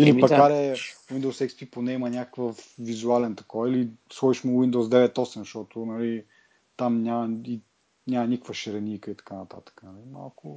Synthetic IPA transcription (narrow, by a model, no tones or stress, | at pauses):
ilipɐkaɾɛwind̪owsɛkst̪ɾiponɛimɐnʲakəkvəfvizualɛnt̪ɐ̥kɔvilisˠɔiʃmuwind̪owzd̪ɛvɛt̪ɔsɛmʃt̪ɔt̪ʊnɐli | t̪amnʲamɐi | nʲamɐnʲikəkvəʃɛɾɛnʲikəit̪ɐ̥kanɐt̪a̰t̪ə̥kənɐlima̰lˠkʊ